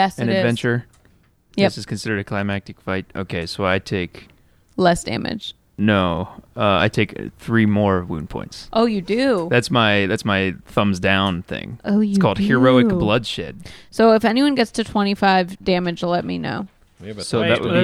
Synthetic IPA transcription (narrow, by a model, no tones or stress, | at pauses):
jɛsɨ̃nɨvɛ̃nt͡ʃə˞ | jʌsɨz̥kʰɨ̃n̩sɪɾə˞ɾɨkʰl̥aɪmæk̚tɨkfaɪt̚ʔo̰ʊkʰeɪsoʊaɪtʰeɪk | lɛsd̥æ̰̃mɨ̰d̥ʒ̥ | noʊʌa̰ɪtʰeɪkθɹimɔɹʌwṵ̃npʰɔ̰̃ɪ̃ntsʔoʊjɨdʉðætsmaɪðætsmaɪθʌ̃mzdãʊ̃nθɪ̰̃ŋʔoʊskʰɔlˠd̥̚hə˞oʊɨkblʌd̥ʃɛ̰d̥̚soʊɨfɛniwʌ̃nɡɛtstʰɨtʰw̥ɛ̃ɾ̃ifaɪvdæ̃mɨd͡ʒlɛt̚mino̰ʊ | soʊððɨ̰ʔw